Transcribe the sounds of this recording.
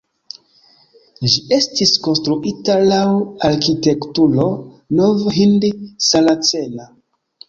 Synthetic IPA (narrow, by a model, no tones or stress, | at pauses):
d͡ʒiʔe̞stisko̞nstɾuʔitalawaɾkite̞ktulo̞ | novɦindisalat͡sena